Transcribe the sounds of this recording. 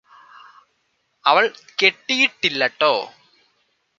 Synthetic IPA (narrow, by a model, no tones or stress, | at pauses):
ɐʋɐɭkeʈːijiʈːilːɐʈːoː